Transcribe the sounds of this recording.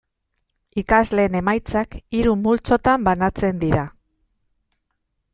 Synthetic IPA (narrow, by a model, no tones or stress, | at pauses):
ikazle̞ːne̞majt͡sakiɾumult͡so̞t̪ambanat͡se̞nd̪iɾa